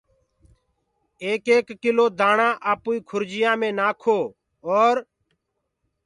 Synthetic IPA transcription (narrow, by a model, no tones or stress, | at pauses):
eːkeːkːɪloːd̪aːɳãːʔaːpuːiːkʰʊɾd͡ʒɪjãːmẽːnaːkʰoː | oːɾ